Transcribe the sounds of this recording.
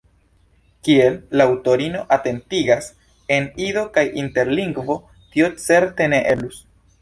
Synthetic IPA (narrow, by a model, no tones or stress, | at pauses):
kie̞lːawto̞ɾino̞ʔate̞ntiɡas | enido̞kajinte̞ɾliŋɡvo̞ | tio̞t͡se̞ɾte̞ne̞ʔe̞lus